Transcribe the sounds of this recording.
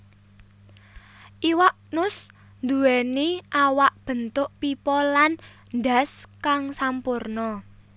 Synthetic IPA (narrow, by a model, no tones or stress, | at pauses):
ʔiwaʔnʊs | nd̪uweniʔawaʔb̥ə̤nt̪ʊʔpipɔlan | nd̪a̤skaŋsampʊrnɔ